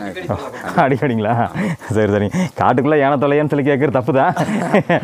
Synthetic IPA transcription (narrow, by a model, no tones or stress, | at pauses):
ɐɽɪaːɽiŋɡɐlaːsɐɾsɐɾɪŋka̰ːʈːɯkːɯɭːɐɛːɳɐt̪ːɔlɐjaːnsɛlɪkːeːk̬ːɐɾɯt̪ɐpːɯt̪ãː